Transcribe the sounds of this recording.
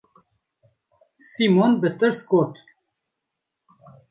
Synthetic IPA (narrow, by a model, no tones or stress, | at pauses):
simonbɨt̪ɨɾskot̪